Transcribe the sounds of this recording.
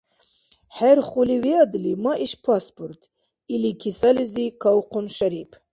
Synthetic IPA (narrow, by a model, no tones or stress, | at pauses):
heɾχuliweɑd̪limɑʔiʃpɑspuɾt̪ | ilikʰisalizikawqʊnʃaɾip